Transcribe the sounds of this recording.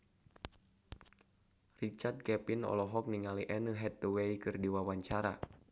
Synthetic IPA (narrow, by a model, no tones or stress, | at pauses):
rit͡ʃart̪̚kɛpinɔ̰lɔɦɔk̚niŋaliʔɛnəɦɛt̪̚ːuweikɨrdiwawaɲt͡ʃaɾa